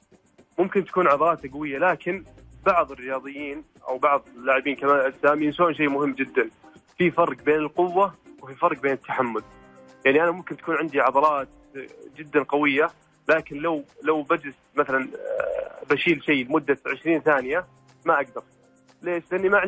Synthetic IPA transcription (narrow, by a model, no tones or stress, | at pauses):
mʊmkɪnt̪ḁkuːnʕɑðˤɑɾˤɑːt̪aqawɪjːalaːkɪnbɑʕðˤɨrːɪjɑːðˤɨjːiːn | ʔa̰wbɑʕðˤɪlːaːʕɪbiːnkamaːnʔɪsaːmiːnsoːʔnʃ̬ejːmʊhɪmːd͡ʒɪd̪ːanfifɑɾˤqbeːnɪlqʊwːawɪfifɑɾˤqbeːnɪt̪ːaħamːʊl | jaʕniʔanamʊmkɪnt̪ḁkuːnʕɪnd̪iʕɑðˤɑɾˤɑːt̪ | d͡ʒɪd̪ːanqɑwɪjːa | laːkɪnlawlawbad͡ʒɪsmaθalan | baʃiːlʃejːlɪmʊd̪ːaʕɪʃɾiːnθaːnɪja | maʔaɡ̚d̪ɑɾˤ | leːʃlɪʔɪnːimaʕɪ